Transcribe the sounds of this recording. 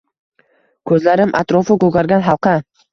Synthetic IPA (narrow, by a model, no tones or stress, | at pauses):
kʰɵzlaɾɪmʔa̰t̪ɾɒfɪkɵɡʲaɾɡʲanɦɑlˠqʰɑ